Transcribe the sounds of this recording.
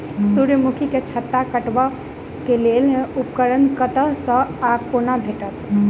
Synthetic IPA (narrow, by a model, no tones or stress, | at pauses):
suɾjəmukʰiket͡ʃʰət̪ːakəʈbə | kelelupkəɾənkət̪əɦsə̃akonabʱeʈət̪